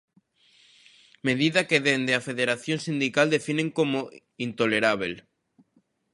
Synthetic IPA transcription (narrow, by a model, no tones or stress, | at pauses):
meðiðakeðend̪eafeðeɾaθjoŋsind̪ikald̪efinẽŋkomo | int̪oleɾaβ̞el